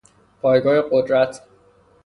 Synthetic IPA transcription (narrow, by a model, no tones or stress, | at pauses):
pʰɒːjɡɒːhe̞ɢod̪ɾæt̪ʰ